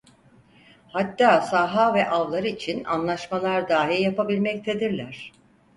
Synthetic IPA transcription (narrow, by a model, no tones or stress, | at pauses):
hat̪ːaːsaːɦaːvɛʔavlˠaɾɯit͡ʃʰina̰nlˠaʃmalˠaɾd̪aːɦiɾjapʰabilʲmɛc̚t̪ʰed̪iɾlʲæɾ̝̥